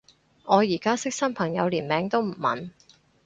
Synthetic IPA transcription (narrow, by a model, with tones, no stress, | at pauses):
ŋɔː˨˧jiː˨˩kaː˥sɪ˥k̚sɐ˥npʰɐ˨˩ŋjɐ˨˧wliː˨˩nmɛː˨˧ŋt̪o˥wm̩˨˩mɐ̰˨˧n